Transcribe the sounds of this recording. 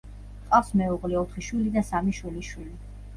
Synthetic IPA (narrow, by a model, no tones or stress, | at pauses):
qʼafsmɛuʁlɛɔt̪ʰχiʃwilid̪asamiʃwiliʃwili